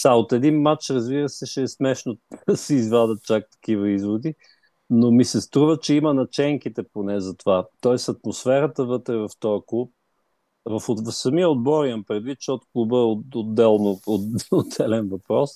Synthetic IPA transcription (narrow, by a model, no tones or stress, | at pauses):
saot̪ɛd̪inmat͡ʃɾɐzbiɾəsɛʃɛːsmɛʃnosɛizvad̪ət̪̚t͡ʃak̚t̪ɐ̥k̟ivəizvod̪i | nomisɛst̪ɾuvət͡ʃɛimənɐt͡ʃɛŋkit̪ɛponɛzɐt̪ovat̪ɔɛsɐt̪mosfɛɾət̪əvɤt̪ɾɛvɐft̪ɔjəklˠup̚ | vəfosɐmiəod̪̚bɔɾiɐmpɾɛd̪vit̪̚t͡ʃɛot̪klˠubəood̪ːɛlˠnoood̪ɛlɛnvɐpɾɔs